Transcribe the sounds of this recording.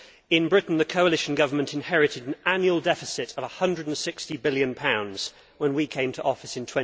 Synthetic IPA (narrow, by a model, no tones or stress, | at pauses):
ɪ̃nbɹɪʔn̩ðəkʰəʊəlɪʃə̃n̩ɡʌvəmə̃ntʰɪ̃nhɛɹɪtɪdə̃nãnjuəlˠdɛfɪsɪtəvəhʌ̃ndɹədə̃n̩sɪkstibɪljə̃npʰãʊ̃ndz̥ | wə̃nwikʰẽɪ̃mtʰəʔɒfɪsɪ̃ntʰw̥ɛ̃